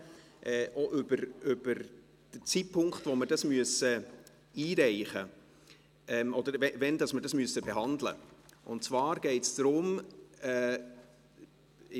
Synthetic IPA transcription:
ʔɛːʔoʔʏbəɾʏb̥əɾ | d̥ət͡sipʰːʊŋkχtʋoməɾdɑsmyəsə | iːɾɛɪχə | ɛmɔdəɾvɛvɛndɑsməɾdɑsmyəsəbeɦɑnd̪lə̰ʔʊntt͡svɑːɾɡ̥ɛɪtsd̥ɾʊmɛ

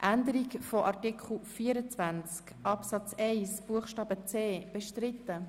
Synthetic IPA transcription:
ʔænd̪əɾikfɔʔɑʁtɪkχl̩fiːəɾət͡svænt͡skʔɑpsɑt͡sɛɪsb̥uəχʃtɑːbət͡seːb̥eʃtɾɪt̪ːə

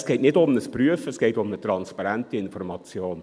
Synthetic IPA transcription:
sɡ̥ɛɪtnɪdʊmnəspryəfəsɡ̥ɛɪtʊmnət̪ɾɑnspɑɾæntiɪnfɔrmɑt͡sjoːn

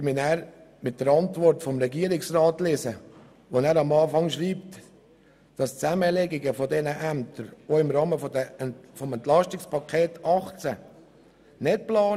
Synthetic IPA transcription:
mɪnæːɾmɪt̚d̥əɾɑntvɔɾtfɔmɾɛɡiːəɾɪksrɑːtlɪsə | ʋonæːɾɑmɑːfɑŋʃɾiːpt | d̥ɑst͡sæməleɡɪɡəfodɛnəʔæmtəɾoːɪmɾɑːməfodəfɔmɛntlɑʃtɪkspʰɑkʰeːtɑχt͡sə | nɪt̚plɑː

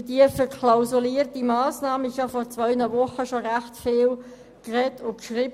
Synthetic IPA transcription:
diəfəkʰlaʊzuliːʁt̚dimaːsnaːməɪçhɑfɔʁt͡svœʏnəvʊχəʃoʁæxtfeːl | kʁɛtʊkʃʁib

